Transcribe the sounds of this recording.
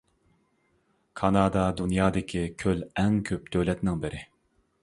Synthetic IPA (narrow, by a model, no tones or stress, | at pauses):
kʰɑnɑːd̪ɑd̪unjɑːd̪ɪkʲʰikʲʰølɛŋkʲʰøp̚d̪̥øwlɛt̪nɪŋbɪɾʔɪ